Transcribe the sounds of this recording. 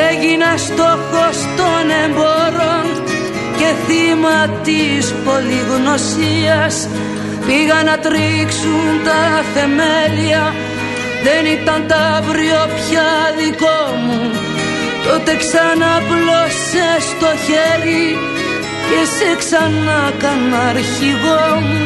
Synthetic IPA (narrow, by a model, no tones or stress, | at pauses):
eʝinɐst̪o̞xo̞st̪o̞nemboɾo̞n | ce̞θimɐt̪ispo̞liɣno̞siɐs | piɣɐnɐt̪ɾiksunt̪ɐθe̞meliɐ | ðe̞nit̪ɐnt̪ɐvɾiopçɐðikomu | t̪ot̪e̞ksɐnɐplosest̪o̞çeɾi | ceseksɐnɐkɐnɐɾçiɣo